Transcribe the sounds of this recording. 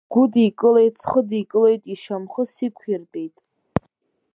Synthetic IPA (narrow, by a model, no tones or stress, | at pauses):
ɡ̥ʷudikʼɨle̞jt͡sʰχədikʼɨle̞jtʼiʃamχəsikʷʰirtʼe̞jtʼ